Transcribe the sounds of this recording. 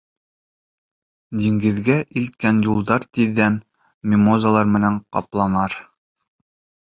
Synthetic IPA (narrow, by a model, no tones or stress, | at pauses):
d̪iŋɡɘ̆ðɡæʔilt̪̚kænjulˠd̪ɑɾt̪iðːæn | mʲɪmozalˠɑɾmɘ̆næɴqɑ̰plˠɑnɑɾ